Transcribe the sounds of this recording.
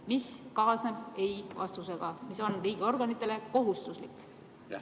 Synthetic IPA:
miskɑːsne̞b̥e̞jvɑ̰st̪use̞ɡ̥ɑmiso̞nriːɡ̥eo̞rɡ̥ɑnit̪ːˑe̞le̞ko̞ɦust̪uslikːˑ

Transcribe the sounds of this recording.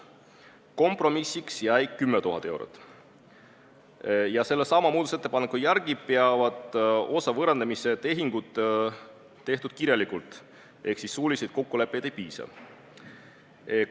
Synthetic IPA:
ko̞mprɾo̞misːiksjæjkːymːet̪uɦɑ̰t̪ːˑewɾo̰t̪ːˑ | jɑse̞lːesɑmɑmuːd̪̥uset̪ːˑepɑne̞kujæɾɡ̥i̥peɑvɑd̪̥o̞sɑvɤɾend̪emise̞t̪e̞ɦiŋɡ̥ut̪ː | e̞ht̪ud̪̥̚kiɾjɑlikult̪ˑ | ʔe̞hksisːuːlʲised̪̚ko̞kːule̞pːˑejd̪̥ejpiːsɑ̰ | e

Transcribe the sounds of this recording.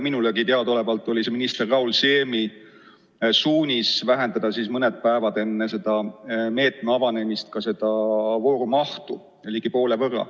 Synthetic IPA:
minuleɡit̪eɑd̪o̞le̞vɑlt̪ːˑo̞lʲiseminist̪e̞rːɑulse̞ːmi | suːnʲisvæɦe̞nd̪ɑd̪̥ɑsismɤned̪̥̚pæevɑd̪̥e̞nːe̞se̞d̪̥ɑme̞ːt̪ˑmeɑvɑne̞mist̪̚kɑse̞d̪̥ɑvo̞ːɾumɑht̪u | olʲiɡ̥ipo̞ːlevɤrːɑ̰

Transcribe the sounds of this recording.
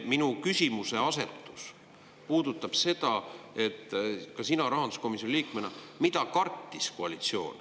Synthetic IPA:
minukysʲimuse̞ɑse̞t̪ːˑu̥s | puːd̪̥ut̪ːˑɑb̥se̞t̪ɑe̞t̪ːˑkɑsinɑɾɑɦɑnd̪u̥sko̞misjoniliːkmenɑmit̪ɑkɑrt̪ːisko̞ɑlit̪sio̞̰ːn

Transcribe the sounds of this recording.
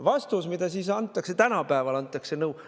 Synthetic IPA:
vɑst̪usmid̪̥ɑsisɑnt̪ːˑɑkse̞t̪ænɑpæevɑlɑnt̪ˑːɑkse̞nɤu

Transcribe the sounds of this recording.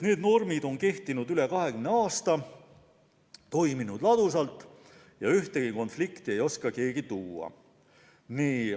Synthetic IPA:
ne̞ːd̪no̞rmid̪̥o̞nke̞ht̪inud̪yle̞kɑɦe̞kymneɑːst̪ɑ | t̪o̞jminud̪̥lɑd̪̥usɑlt̪ˑː | jɑyht̪eɡ̥iko̞nflikt̪ie̞jo̞skɑke̞ːɡ̥it̪uːɑ̰ | niː

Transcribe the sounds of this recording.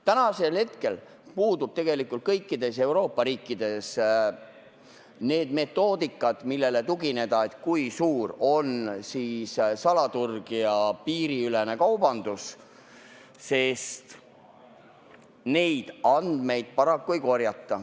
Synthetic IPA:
t̪ænɑse̞lhe̞t̪ke̞l | puːd̪ub̥t̪e̞ɡ̥e̞likːˑult̪̚kɤ̞jkːˑid̪̥e̞se̞wɾo̞ːpːˑɑɾiːkːˑid̪̥e̞s | ne̞ːd̪̥me̞t̪ːˑo̞ːd̪̥ikːˑɑd̪̥milːe̞le̞t̪uɡine̞d̪ɑe̞t̪ːˑkujsuːɾo̞nsiːssɑlɑt̪urɡ̥iɑpiːɾiylene̞kɑwbɑnd̪̥us | se̞st̪ | ne̞jd̪̥ɑnd̪̥me̞jd̪̥̚pɑɾɑkːujko̞rjɑt̪ːɑ

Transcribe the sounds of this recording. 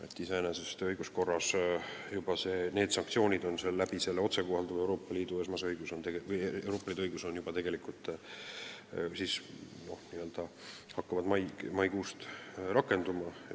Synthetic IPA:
et̪ːiseenese̞st̪ɤjɡ̥usko̞rːɑsjubɑse̞ːne̞ːd̪̥sɑŋk̚t̪sio̞ːnʲid̪̥o̞nselːæb̥ise̞lːeo̞t̪se̞kohɑld̪uve̞wɾo̞ːpːˑɑliːd̪̥ue̞smɑseɤjɡ̥uso̞nt̪eɡevɤjewɾo̞ːpːˑɑlid̪uɤjɡuso̞njub̥ɑt̪e̞ɡ̥elikˑult̪ːˑ | siːs | no̞hniːø̞ld̪̥ɑ | hɑkːɑvɑd̪mɑjmɑjkuːst̪ɾɑkːˑe̞nd̪̥umɑ

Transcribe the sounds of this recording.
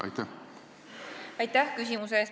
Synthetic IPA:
ɑ̰jt̪æ | ɑjt̪ːæhkys̬ʲimus̬eːs

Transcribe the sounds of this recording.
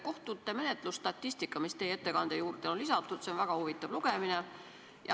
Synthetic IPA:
ko̞ht̪ut̪ːˑeme̞net̪ˑlust̪ɑt̪ːist̪ikːˑɑmist̪e̞jeet̪ːe̞kɑnd̪̥ejuːrd̪̥eonlisɑt̪ːˑut̪se̞o̞nvæɡ̥ɑhuvit̪ˑːɑv̥luɡ̥emine | jɑ

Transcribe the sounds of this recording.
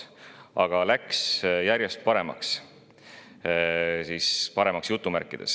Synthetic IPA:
ɑɡ̥ɑlæksjæɾjest̪̚pɑɾe̞mɑ̰ks | sispɑɾe̞mɑksjut̪ːumærkːˑid̪̥e̞̰s

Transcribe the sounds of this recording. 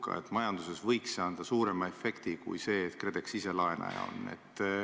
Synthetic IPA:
kːɑ̰e̞̰t̪mɑjɑnd̪use̞svɤjksɑːnd̪̥ɑsuːɾe̞mɑe̞fe̞kt̪ikṵjse̞ːt̪kred̪e̞ksise̞lɑenʔɑ̰jɑ̰o̞̰nːe̞̰t̪ː

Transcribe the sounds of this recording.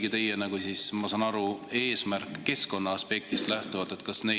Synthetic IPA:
ɡit̪e̞jenɑɡ̥usismɑsɑːnɑɾue̞ːsmærkːe̞sko̞nːɑɑspe̞k̚t̪ist̪læht̪uvɑt̪ːˑet̪kɑsne̞

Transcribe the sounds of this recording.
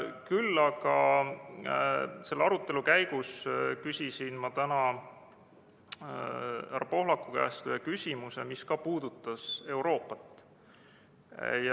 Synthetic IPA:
kylːɑɡɑ | se̞lːɑɾut̪ːˑe̞lukæjɡ̥uskysʲisinmɑt̪ænɑ | æɾɑpo̞ɦlɑkːˑukæ̰ːst̪yhekysʲimuse̞̰miskɑpuːd̪ut̪ːˑɑse̞wɾo̞ːpːˑɑt̪ːˑ | j

